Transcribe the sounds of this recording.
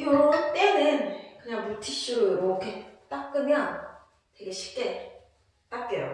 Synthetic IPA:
okat͈enɯnkɯɲaŋbutʰiɕ͈uɯmʌɯkʰet͈ak̚k͈ɯmjʌn | twe̞ɡe̞ɕʰi̥k͈e | t͈ak͈ejo̰

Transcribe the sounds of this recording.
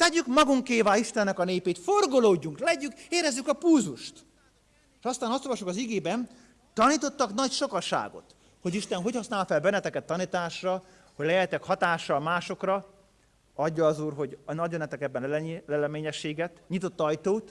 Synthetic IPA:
t̪ɛɟykmɒɡuŋkeːvaːliʃt̪ɛnːɛkɒneːpeːt̪forɡoloːɟːuŋklɛɟykeːɾɛzːykɒpuːzuʃt̪ː | ʃɒst̪aːnɒst̪olvɒʃukɒziɡeːbɛn | t̪ːɒniːt̪o̞t̪ːɒknɒcʃo̞kɒʃa̰ːɡo̞̰t̪ | ho̞ɟiʃt̪ɛnɦo̞chɒsnaːlfɛlbɛnːɛt̪ɛkɛt̪ːɒnit̪aːʃrɒ | hoɟlɛjɛjt̪ɛkhɒt̪aːʃːɒlmaːʃo̞krɒ | ɒɟːɒːzuːrɦo̞ɟnɒɟonɛt̪ɛkɛbːɛnlɛlɛlɛmeːɲɛʃːeːɡɛt̪ɲit̪o̞t̪ːɒjt̪oːt̪

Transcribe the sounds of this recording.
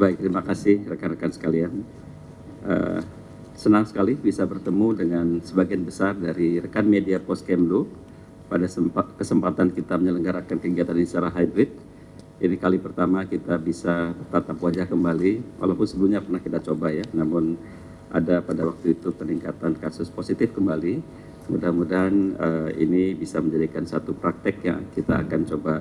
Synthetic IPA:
baɪk̚t̪ɾimakasɪhrəkanrəkansə̥kalian | ʔə̰ | sənaŋsə̥kalɪhbisabərt̪əmudəŋansəbaɡianbəsardaɾirəkanmediapɔskɛmlu | padasəkəsəmpat̪ankit̪aməɲələŋɡaɾakankəɡiat̪anisaɾaɦajbɾɪd̪̚ | inikalipərt̪amakit̪abisabərt̪at̪apwad͡ʒahkəmbaliwʔa̰lapʊnsəbəluhɲapərnahkit̪at͡ʃobajanamʊn | ʔa̰dapadawak̚t̪uit̪upəniŋkat̪ankarsʊsposit̪ɪfkəmbali | əmṵdamudaɦanəḭnibisaməɲd͡ʒadikansat̪upɾak̚t̪ɪk̚ja̰kit̪a̰ːkant͡ʃoba

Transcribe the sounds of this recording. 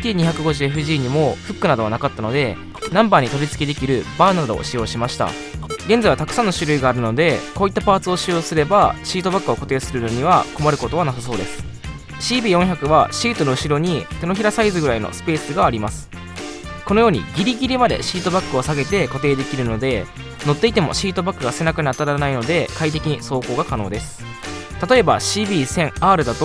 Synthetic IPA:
t̪ʲiːɲ̟içakɯ̟ɡo̞ʑɨeɸɯ̟ʑiːɲ̟imo̞ɸɯ̟kːɯ̟nad̪o̞β̞anakat̪ːano̞d̪e̞ | nãmbaːɲ̟it̪o̞ɾʲit͡sɨ̥kʲed̪e̞kʲiɾɯ̟baːnad̪o̞̰ɕijo̞ːɕimaɕi̥t̪a̰ | ɡend͡zaiβat̪ḁkɯ̟̥sãnːoɕɨɾɯ̟iɡaːɾɯ̟no̞d̪e̞koːit̪ːapaːt͡sɨo̞ɕijo̞ːsɨɾe̞baɕiːt̪o̞bakːɯ̟o̞ko̞t̪e̞ːsɨɾɯ̟no̞ɲ̟iβ̞ako̞maɾɯ̟ko̞t̪o̞β̞anasas̬o̞ːd̪e̞sɨ̥ | ɕiːbʲiːjõ̞ɰ̃çakɯ̟βaɕiːt̪o̞noɯ̟ɕiɾo̞ɲ̟it̪e̞noçiɾasaizɨɡɯ̟ɾaino̞̰sɨ̥pe̞ːsɨɡaːɾʲimasɨ̥ | kono̞jo̞ːɲ̟ḭɡʲiɾʲiɡʲiɾʲimad̪e̞̰ɕiːt̪o̞bakːɯ̟o̞saɡe̞t̪e̞ko̞t̪e̞ːd̪e̞kʲiɾɯ̟no̞d̪e̞ | no̞t̪ːe̞it̪e̞mo̞̰ɕiːt̪o̞bakːɯ̟ɡase̞nakɯ̟ɲʲiat̪ːaɾaanaino̞d̪e̞kait̪̬e̞kʲiɲ̟iso̞ːko̞ːɡakano̞ːd̪e̞sɨ̥ | t̪at̪o̞e̞ba̰ɕiːbʲiːsẽ̞ŋaːɾɯ̟d̪at̪o

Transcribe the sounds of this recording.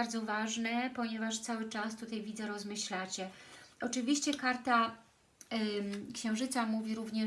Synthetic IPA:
aɾd̪zɔvaʐnɛpɔɲɛvaʂt̪sawɘt͡ʂast̪ut̪ajvʲid̪zɛɾɔzmɘɕlat͡ɕɛɔt͡ʂɘvʲiɕt͡ɕɛkaɾt̪a | kɕɛ̃w̃ʐɘt̪samuvʲiɾuvɲɛ

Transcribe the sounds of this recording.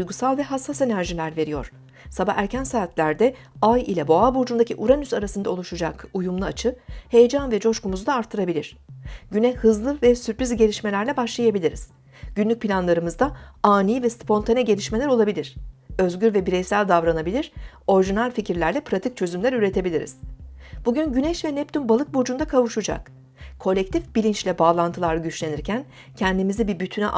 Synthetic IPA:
ujɡusalˠvɛɦasːase̞næɾʒilʲæɾve̞ɾijo̞̰ɾ̝̥ | sabaxæɾcʰænsaːt̪lʲæɾd̪ɛ | ajḭlʲɛbo̞abuɾd͡ʒund̪acʰiʔuɾanysaɾasɯnd̪ao̞lˠuʃud͡ʒakujumlˠɯat͡ʃʰɯhe̞jed͡ʒanvɛd͡ʒo̞ʃkumuzd̪aːɾt̪ʰːɯɾabilʲiɾ̝̥ɟynɛhɯzlˠɯvɛsyɾpɾizʲɟe̞lʲiʃme̞lʲæɾlʲɛbaʃlˠajabilʲiɾiz̥ | ɟ̥ynlʲyc̚pʰilʲanlˠaɾɯmɯzd̪aaːniːvɛspʰo̞nt̪ʰanɛɟelʲiʃme̞lʲæɾo̞lˠabilʲiɾ̥ø̞zɟyɾvɛbiɾɛjsælʲd̪avɾanabilʲiɾ̥o̞ɾiʒinalʲficiɾlʲæɾlʲɛpʰɾat̪ʰic̚t͡ʃʰø̞zymlʲæɾyɾe̞t̪ʰe̞bilʲiɾḭz̥b̥uɟynɟynɛʃvɛnɛp̚t̪ʰynbalˠɯk̚bod͡ʒund̪akʰavuʃud͡ʒa̰k | kʰːo̞lʲɛc̚t̪ʰifbilʲint͡ʃlʲɛbaːlˠant̪ʰɯlˠaɾɟyt͡ʃlʲeniɾcʰæn | cʰɛnd̪imizibibyt̪ʰynɛ̰ʔ

